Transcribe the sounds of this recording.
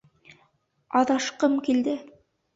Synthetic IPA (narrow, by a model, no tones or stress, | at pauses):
ɑðɑʃqɤmkild̪ɘ